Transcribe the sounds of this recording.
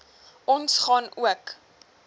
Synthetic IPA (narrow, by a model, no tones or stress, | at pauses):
ʔɔnsχɑnuək